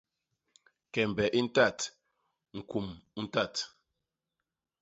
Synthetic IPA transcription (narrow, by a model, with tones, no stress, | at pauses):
kɛ˨m̩˨bɛ˨ʔi˦n̩˦ta˦˨t | ŋ̩˨kʰu˨mu˦n̩˦ta˦˨t